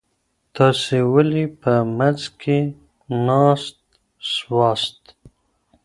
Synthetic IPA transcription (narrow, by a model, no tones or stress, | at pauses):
t̪ʰɑsewalipəmazkʰe | nɑst̪ | swɑst̪